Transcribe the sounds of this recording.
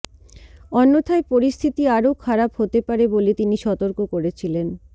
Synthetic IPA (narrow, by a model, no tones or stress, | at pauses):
ɔnːot̪ʰaepoɾist̪ʰit̪iaɾokʰaɾaphot̪epaɾebolet̪iniʃɔt̪oɾkokoɾet͡ɕʰilen